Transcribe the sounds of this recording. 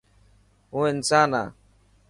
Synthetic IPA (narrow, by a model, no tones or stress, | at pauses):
uen̩t͡sana̰